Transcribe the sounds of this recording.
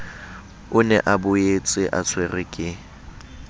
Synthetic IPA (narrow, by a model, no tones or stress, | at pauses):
ʊnɛ̰ʔabʊet͡sʼɪʔa̰t͡sʰwerɪkʼɪ